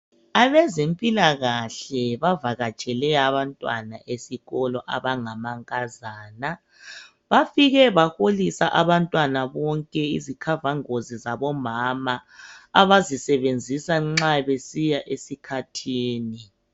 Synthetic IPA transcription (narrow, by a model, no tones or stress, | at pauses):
aβɛzempʼilaɣaɬɛβavaɣat͡ʃʼɛlɛaβantʼwa̰na̰ʔesiɣɔlɔʔaβaŋamaŋkʼazaːna | βafiɣɛβaxolisaʔaβantʼwanaβɔŋkʼɛḭzikʰavaŋozizaβɔmamaːβazisɛβend͡zʱisaŋ͡ǁaβesijaʔesikʰatʰiːni